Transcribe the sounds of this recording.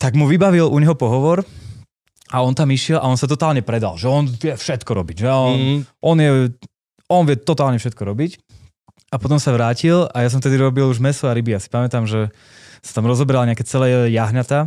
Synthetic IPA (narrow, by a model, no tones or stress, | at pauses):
t̪aɡmuʋibaʋiluɲɦɔpɔɦɔʋɔɾ | aɔnt̪amiʃɪɛlʔa̰ɔnsat̪ɔt̪aːlɲɛpɾɛd̪a̰lʒɛɔnʋɪɛfʃɛt̪kɔɾɔbiɟʒɛɔnʔɔnjɛ | ɔnʋɪjɛt̪ɔt̪aːlɲɛfʃɛt̪̚kɔɾɔbic | apɔt̪ɔmsaʋɾaːcilajas̬ɔ̃mft̪ɛd̪iɾɔbiluʒmɛsɔaɾibijasi̥pamɛt̪amʒɛ | sḁt̪amɾɔzɔbɾalaɲɛakɛːt͡sɛlɛjaɦɲat̪a